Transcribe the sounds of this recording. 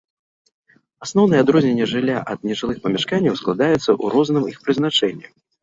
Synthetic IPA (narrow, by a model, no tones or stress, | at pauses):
asnɔwnɨjɛad̪ɾɔzʲnʲɛnʲːɛʐɨlʲːaʔɐd̪nʲɛʐɨlˠɨxpɐmʲɛʂkanʲːɐwsklˠad̪ajɛt̪sːɐʔuɾɔznɨmixpɾɨznat͡ʂɛnʲːi